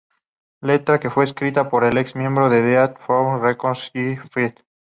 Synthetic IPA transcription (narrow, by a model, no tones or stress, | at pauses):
le̞t̪ɾake̞fwe̞ːskɾit̪apo̞ɾe̞leksmje̞mbɾoðe̞ðeat̪forekonsifit̪